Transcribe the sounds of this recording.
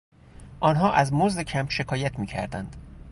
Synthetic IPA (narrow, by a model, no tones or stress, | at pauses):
ʔɒːnɦɒːʔæzmozd̪ecʰæmʃe̞kʰɒːjæt̪ʰmiːcʰæ̰ɾd̪ænd̪̥